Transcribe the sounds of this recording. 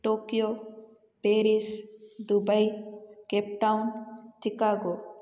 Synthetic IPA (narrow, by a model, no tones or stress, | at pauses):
ʈoːkijo | peɾisd̪ubəjkep̚ʈawnt͡ʃikaːɡo